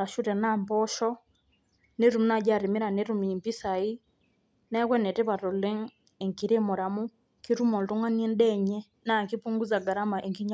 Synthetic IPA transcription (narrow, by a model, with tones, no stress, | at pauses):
a˨ʃu˦ɾɛ˨na˦˨mbɔ˦ʃɔ˦ | ne˦ɾu˨m˦na˦˨d͡ʒa˦˨ɾe˨mi˦ɾa˨ne˦ɾu˨mi˨mpi˦sa˨i˦ | na˦kwɛ˦nɛ˨tɛ˦βa˨ɾɔ˨lɛ˦ŋ | ɛ˨ŋki˨ɾe˦mo˨ɾa˨mu˦ | ki˦ɾu˦mɔ˨lto˦ŋa˦ni˦ɛ˦ndɛ˦ɲɛ˦ | na˦˨ŋki˦pu˦ŋɡu˦za˨ɡa˨ɾa˦ma˨ʔɛ˨ŋki˦ɲa